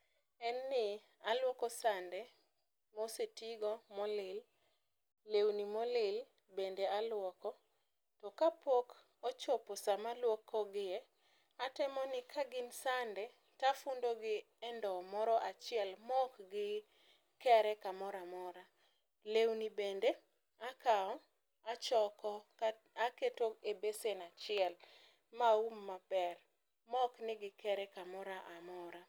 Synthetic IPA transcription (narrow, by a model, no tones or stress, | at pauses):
ɛnːɪ | alwɔkɔsandɛ | mosetiɡɔmɔlɪlː | ewnimɔlɪl | bendealwɔkɔ | tɔkapok | ot͡ʃoposamalwɔkʰːɔɡɪɛ | atɛmɔnɪkʰaɡɪnsandɛ | tafundoɡɪ | ɛndɔmɔɾɔʔat͡ʃɪɛlmɔkɡɪ | kɛɾɛkamɔɾamɔɾa | lewnibende | akaɔ | at͡ʃɔkɔ | aketoebesenat͡ʃɪɛl | maumːab̥ɛr | mɔknɪɡɪkɛɾɛkamɔɾaʔamɔɾa